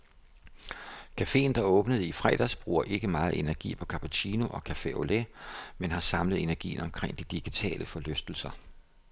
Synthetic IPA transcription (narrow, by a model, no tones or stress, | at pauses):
kʰæfe̝̰ːnd̥ɑ̈ɔ̽ːb̥nəð̞̩ˠifʁɛ̰d̥æsb̥ʁṵːɐʔe̝ɡ̥əmɑ̈ːð̞̩ˠe̝næɐɡ̥ḭːpʰɒ̽kʰɑ̈pʰut͡sʰiːno̝ʔɒ̽kʰæfeo̝lemenɦɑ̈sɑ̈mləð̞̩ˠe̝næɐɡ̥ḭːn̩ɒ̽mkʰʁeŋ̰d̥id̥iɡ̥it͡sʰɛ̰ːlʔəfɒ̽løsd̥l̩sɐ